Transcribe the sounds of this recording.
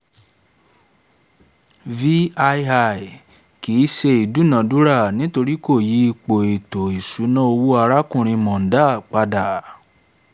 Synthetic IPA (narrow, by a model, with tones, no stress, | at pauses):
vi˦a˧a˧˨i˨ | ki˨˦ʃe˧i˨du˨˦nã˨du˨˦ɾa˦˨nĩ˨˦to˧ɾi˦ko˦˨ji˨˦i˧k͡po˨e˨to˨i˨su˨˦nã˦o˧wu˦a˧ɾa˦kũ˦˨ɾ̃ĩ˧mɔ̃˨n̩˨˦da˦˨k͡pa˧da˨